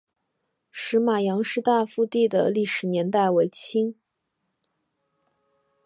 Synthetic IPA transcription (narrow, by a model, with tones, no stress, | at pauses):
ʂɻ̩˧˥ma˨˩jɑ˧˥ŋʂɻ̩˥˧t̪a˥˧fu˥˧t̪i˥˩d̪ə̰˩li˥˩ʂɻ̩˨˩njɛ˧˥nt̪a˥˩ɪwe˧˥ɪt͡ɕʰi˥ŋ